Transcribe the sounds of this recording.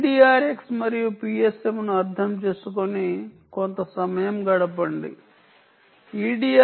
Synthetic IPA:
ɖiːaːɾeksmɐɾijupiːesemnuɐɾd̪ʱʰɐmt͡ʃe̞ːsukoni | kont̪ɐsɐmɐjɐmɡɐɽɐpɐɳɖḭ | iːɖiːa

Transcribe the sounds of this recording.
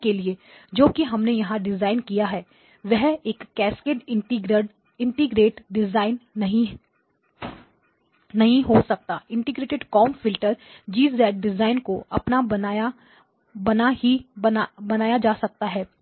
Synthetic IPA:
kelie | d͡ʒoːkiɦɐmnejɐɦãɖɪzaːɪnkijaɦɛː | ʋɛɦeːkːɛːskeʈ | ɪ̃ɳʈɪɡɾeːʈɖɪzaːɪnːɐɦĩ | ɐɦĩɦosɐk̚t̪aːɪ̃ɳʈɪɡɾeːʈɪɖkɔːmfɪlʈəɾd͡ʒiːzd̪ɛːʈ̚ɖɪzaːɪnkoɐ̰pnabɐnaa | bɐnahi | bɐnaːjad͡ʒaːsɐk̚t̪aɦɛː

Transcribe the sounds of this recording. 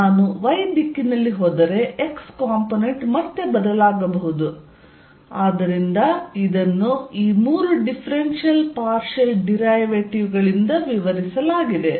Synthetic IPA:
naːnuʋɐjd̪ikːinɐlːiɦoːd̪ɐɾe̞ekskaːmpone̞ɳʈmɐt̪ːe̞bɐd̪ɐlaːɡɐbɐɦud̪u | aːd̪ɐɾind̪ɐid̪ɐnːuiːmuːɾuɖipʰɐɾenʃijɐlpaːɾʃɐlɖiɾɐjʋeʈiʋɡɐɭind̪ɐʋiʋɐɾisɐlaːɡid̪e̞

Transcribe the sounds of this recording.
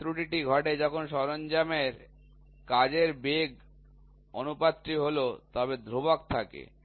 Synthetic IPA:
t̪ɾuʈiʈiɡʱɔʈed͡ʑɔkʰonʃɔɾond͡ʑameɾ | kad͡ʑeɾbeɡ | onupat̪ːɾiɦolot̪ɔbed̪ʱɾobak̚t̪ʰakḛ

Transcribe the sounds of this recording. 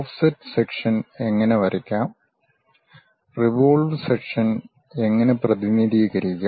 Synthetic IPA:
ofsɐtːsekʂɐne̞ŋːɐne̞ʋɐɾikʲːaːm | riʋoːlʋsekʂɐn | e̞ŋːɐneprɐðiniðiːɣɐɾikʲːa

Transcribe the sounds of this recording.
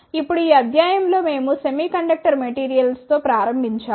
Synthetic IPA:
ipːuɽuiːɐd̪ʱjaːjɐmlo̞ːme̞ːmusemiːkɐɳɖɐk̚ʈɐɾmeʈiːɾijɐlst̪o̞ːpɾaːɾɐmbʱiɲt͡ʃaː

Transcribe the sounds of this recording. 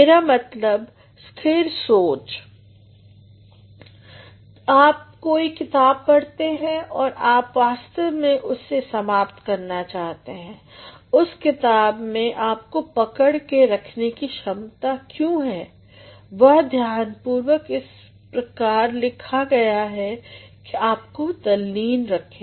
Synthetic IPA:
meːɾamɐt̪ləb | skʰeːɾsoːt͡ʃ | aːp̚koːikɪt̪aːb̚pɐɽt̪eɦɛ̃ʔɔːɾʔaːpʋaːst̪əʋmẽʔʊsːesɐmaːpt̪kɐɾnat͡ʃaːɦt̪eɦɛ̃ːʊskɪt̪aːbmẽʔaːp̚kopɐkəɽkeɾɐkʰnekiʃɐmt̪akjõːɦɛː | ʋɐɦd̪ʱjaːnpuːɾwəkɪs | pɾɐkaːɾlɪkʰaɡɐjaɦɛkeaːp̚kod̪ɐliːnɾɐkʰẽː

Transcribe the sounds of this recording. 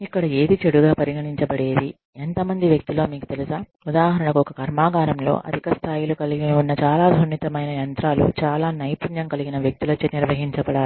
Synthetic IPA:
ikːɐɽɐe̞ːd̪it͡ʃeɽuɡaːpɐɾiɡɐɳiɲt͡ʃɐbɐɽe̞ːd̪i | ent̪ɐmɐnd̪iʋjɐk̚t̪ilo̞ːmiːkut̪e̞lisaː | ud̪aːɦɐɾɐɳɐkuɔkɐkɐɾmaːɡaːɾɐmlo̞̰ːʔɐ̰d̪ʱikɐst̪ʰaːjilukɐliɡinunːɐt͡ʃaːlaːd̪ʱunːit̪ɐmɐjnɐjɐnt̪ɾaːlṵt͡ʃaːlaːnɐjpunjɐŋkɐliɡinɐʋjɐk̚t̪ulɐt͡ʃːeniɾʋɐɦiɲt͡ʃɐbɐɽaː

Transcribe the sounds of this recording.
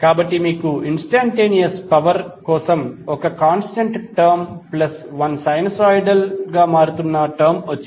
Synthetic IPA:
kaːbɐʈːimiːkuinsʈaːɳʈeːnijɐspɐʋɐɾkɔːsɐmɔkɐkaːnsʈɐɳʈʈɐɾmplɐsʋɐnsɐjnɐsaːjɖɐlɡaːmaːɾut̪unːɐʈɐɾmʋɐt͡ʃːi

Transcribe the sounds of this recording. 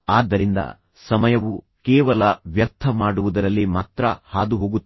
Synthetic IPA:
aːd̪ːɐɾind̪ɐ̰ | sɐmɐjɐʋu | keːʋɐlɐʋjɐɾt̪ʰɐmaːɽuʋud̪ɐɾɐlːimaːt̪ɾɐhaːd̪uɦoːɡut̪ː

